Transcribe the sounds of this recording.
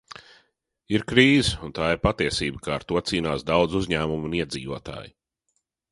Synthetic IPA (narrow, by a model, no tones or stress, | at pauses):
iɾkɾiːzunt̪aːiɾpat̪iɛsiːbəkaːɾt̪uɔt̪siːnaːsd̪awd̪zuzɲæːmumuniɛd̪zḭːvuɔt̪a̰ːji